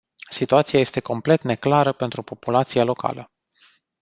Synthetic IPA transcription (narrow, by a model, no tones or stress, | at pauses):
sit̪uat̪siaje̞st̪e̞ko̞mple̞t̪ne̞klaɾəpe̞nt̪ɾupo̞pulat̪sijalo̞ka̰lə